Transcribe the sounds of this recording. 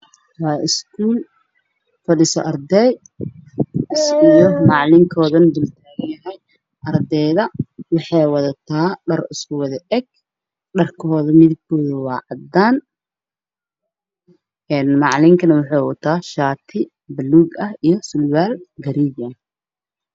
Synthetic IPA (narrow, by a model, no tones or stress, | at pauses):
wɑːʔɪskʰuːl | fɐɖɪsɔ̰ʔɐrd̪ɛj | ɪsʊjɔmɑʕlɪŋkʰɔːðɐnd̪ʊlt̪ʰaːɣɐjɐɦɛj | ʔɐrd̪ɛjðɐwɑħɑjwɐðɐt̪ʰaːɖɐrɪskʊwɑðɐʔɛɡ̚ | ɖɐrkʰɔːðɐmɪðɪɡkʰɔːðɐwɑːʕɑd̪aːn | ʔɛːnmɑʕlɪŋkʰɐnɐwɑħɑjwɐt̪ʰːaːʃaːt̪ʰɪ | bɐluːɡɐhijɞsʊlwaːlɡɐɾiɡa